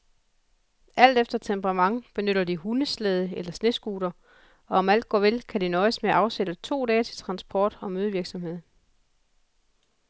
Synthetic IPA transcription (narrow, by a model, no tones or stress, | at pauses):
ʔæl̰d̥efd̥ɐt͡sʰembʰəʁɑmɑ̈ŋb̥e̝nøɾ̥ɐd̥iɦunəsleð̞ˠəelɐsne̝sɡ̥uːd̥ɐ | ɒ̽ɒ̽mæl̰d̥̚ɡ̥ɒ̰ːʋe̝lkʰædinɒ̽ɪsmeʔɑ̈ʊsed̥ət͡sʰo̝̰ːdɛːt͡sʰe̝lt͡sʰʁɑ̈nsb̥ʰɒːd̥ɒ̽møːð̞ˠʋiɐɡ̥sɒ̽mhe̝ð̰ˠ